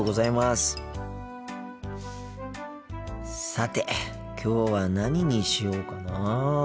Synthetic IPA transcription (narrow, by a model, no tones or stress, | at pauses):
oːɡo̞zaimasɨ̥ | sat̪e̞ | kʲʰo̞ːβanaɲ̟iɲ̟iɕijo̞ːkana